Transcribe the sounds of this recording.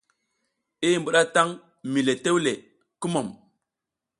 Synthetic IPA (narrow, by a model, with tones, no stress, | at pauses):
i˦˨mbu˦ɗa˦ta˦ŋ | mi˨le˨te˦wle˨ | ku˦mo˨m